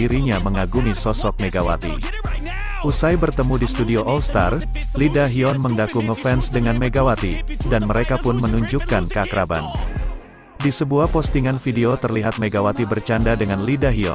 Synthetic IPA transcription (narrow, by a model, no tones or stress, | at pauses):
iɾiɲaməŋaɡumisɔsɔk̚meɡawa̰t̪ḭ | ʔusajbərt̪əmudist̪udioʔɔlst̪ar | lidaɦiɔnməndakuŋəfɛnsdəŋanmeɡawat̪idanməɾekapʊnmənuɲd͡ʒukːankəakɾaba̰n | disəbuahpɔst̪iŋanfideot̪ərliɦat̪̚meɡawat̪ibərt͡ʃandadəŋanlidaɦiɔ̰